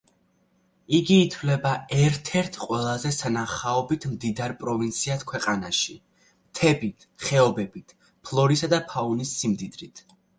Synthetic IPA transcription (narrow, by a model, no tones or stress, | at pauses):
iɡiːt̪ʰvlɛbaɛɾt̪ʰɛɾt̪ʰqʼwɛlˠazɛsanaχaɔbit̪ʰmd̪id̪aɾpʼɾɔvint̪sʰiat̪ʰkʰwɛqʼanaʃi | t̪ʰɛbit̪ʰχɛɔbɛbit̪ʰ | pʰlˠɔɾisad̪apʰaunisːimd̪id̪ɾit̪ʰ